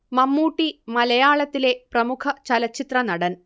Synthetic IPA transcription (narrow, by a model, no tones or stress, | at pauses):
mɐmːuːʈːimɐlɐjaːɭɐt̪ːile̞prɐmukʰɐt͡ɕɐlɐt͡ɕːit̪rɐnɐɽɐn